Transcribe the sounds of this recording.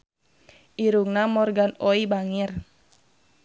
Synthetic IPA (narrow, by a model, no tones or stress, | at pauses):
ʔiɾuŋnamɔrɡanɔibaŋir